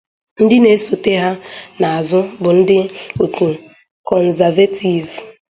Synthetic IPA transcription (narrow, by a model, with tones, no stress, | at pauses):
n̩˦dɪ˦ne˨˦so˨te˦ɦa˦na˨a˨zʊ˦bʊ˨n̩˦dɪ˦o˨tu˨ | kɔ˨n̩˨za˨ve˦ti˨v